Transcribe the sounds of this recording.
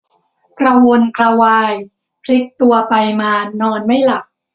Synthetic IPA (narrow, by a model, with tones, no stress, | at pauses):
kɾa˧wo˧nkɾa˧waː˧j | pʰli˦˥k̚t̪u˧ɐpa˧jmaː˧nɔː˧nma˥˩jla˨˩k̚